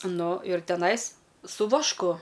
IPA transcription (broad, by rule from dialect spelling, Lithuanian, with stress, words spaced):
ˈnʊ ɪr tʲɛˈnɐɪs sʊ ʋɐʃˈkʊ